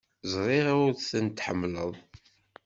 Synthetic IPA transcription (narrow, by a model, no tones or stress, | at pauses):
zˤʁˤeɾaʊɾθθənt̪ħə̰mːləðˤ